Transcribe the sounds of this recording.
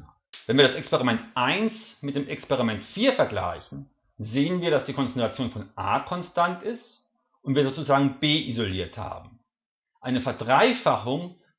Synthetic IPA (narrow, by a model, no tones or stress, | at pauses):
vɛnviːɐɾasɛkspeʁimɛntʔaɪnsmɪt̚d̥eːmʔɛkspeʁ̞imɛntfiːɐfɛɐɡla̰ɪçn̩ | zeːənviːɐɾasd̥iːkʰɔnt͡sɛntʁ̥at͡sjoːnfɔnʔa̰ːkʰɔnstantɪst | ʔʊntviːɐzoːt͡suzaːɡŋ̩beːʔizoliːɐtha̰ːbm̩ | ʔaɪnəfɛɐdʁaɪfaχʊŋ